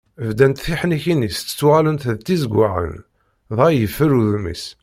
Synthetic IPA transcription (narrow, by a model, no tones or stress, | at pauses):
vd̪ænt̪θiħniçinist͡sːə̥t͡sːwʁalənθəðt̪ːizəɡʷːaʁə̰n | ðˤæjəfːəɾuðmḭs